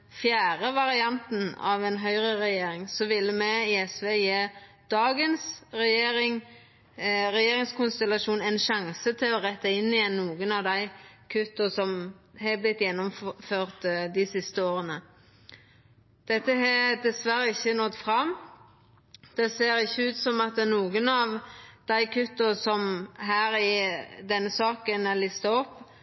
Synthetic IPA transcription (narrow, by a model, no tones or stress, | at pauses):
fjæːʁəʋɑʁɪɑnt̪n̩ɑ̰ʋɛnɦœʏʁəɾɛjeːɾɪŋsɔʋɪlːəmɛɪɛsʋeːjeː | d̪̥ɑːɡənsʁɛjeːɾɪŋ | ʁɛjeːɾɪŋskʰʊnst̪ɛlɑʃuːnɛnʃɑŋsət̪ʰɪlɔʁɛt̪ːəɪnːɪjɛnːuːɡənɑʋd̪æɪkʰʉt̪ːʊsɔmɦɛblɪt̪ːjɛnːɔmføːʁt̪d̪ɪsɪst̪əoːʁənə | d̪̥ɛt̪ːəɦɛd̪ɛsʋæɾəɪçːənɔt̪ːfɾɑm | d̪̥ɛseːɾɪçːəʉːt̪sɔmɑt̪ɛnuːɡənɑʋd̪̥æɪkʰʉt̪ːʊsɔmɦæːɾɪd̪ɛnːəsɑːkənɛlɪst̪ɑɔpː